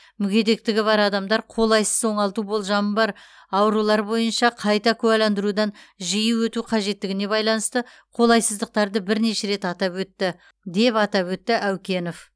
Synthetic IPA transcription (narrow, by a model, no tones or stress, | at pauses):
mʏɡʲe̞d̪e̞k̚t̪ɪɡʲɪβɑɾɑd̪ɑmd̪ɑɾqʰo̞lˠɑjsə̥zwo̞ɴɑlˠt̪ubo̞lˠʒɑməbɑɾ | ɑwəɾulˠɑɾbo̞jənʃɑqʰɑjt̪ɑkʲʰʉwælɑnd̪əɾud̪ɑnʒijuwɵt̪uqʰɑʒe̞t̪ːɪɡʲɪne̞bɑjlˠɑnəst̪ə | qʰo̞lˠɑjsəzd̪əq̚t̪ɑɾd̪əbɪɾne̞ʃe̞ɾe̞t̪ɑt̪ɑpwɵt̪ːɪ | d̪e̞pɑt̪ɑpwɵt̪ːɪʔæwkʲe̞nof